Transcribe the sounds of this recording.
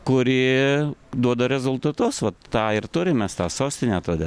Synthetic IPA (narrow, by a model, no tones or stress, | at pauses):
kʊɾʲɪ | d̪uɔd̪ɐɾʲɛzʊlˠt̪ɐt̪ʊsʋɐt̪ːɑːɪrt̪ʊɾʲɪmʲɛst̪ɑːsoːsʲt̪ʲɪnʲɛt̪oːd̪ʲeː